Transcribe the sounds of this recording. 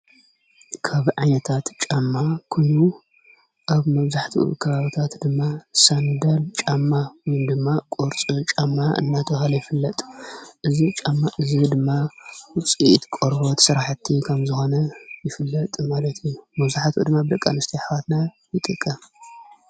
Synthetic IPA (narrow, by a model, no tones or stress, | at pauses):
kʰaβʕajnɐt̪ʰat̪t͡ʃʼamːakʰonu | ʔaβmɐβzaħt̪ʰḭṵkʰɐβaβit̪ʰat̪d̪ɨmːasand̪ɐlt͡ʃʼamːawjnd̪ɨmːakʼoɾt͡sʼut͡ʃʼamːaʔɨ̰nːat̪ʰɐxalɐjɪfɨlːɐt̪ʼʔɨzit͡ʃʼamːaʔɨzid̪ɨmːawʊt͡sʼit̪kʼoɾβot̪sɨɾaħt̪ʰːikʰɐmzɨxo̞nɐjɪfɨlːɐt̪ʼmalɐt̪ʰjijumɐβzaħt̪ʰṵd̪ɨmːabɨd̪ɐkʼːanɨst̪ʰiħwat̪na | jɪt̪ʼɨkʼːɐ